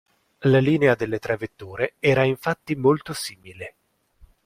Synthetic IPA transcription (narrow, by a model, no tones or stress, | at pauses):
laliːnead̪elːet̪ɾɛvet̪ːuːɾeɛːɾaiɱfat̪ːimolt̪osiːmile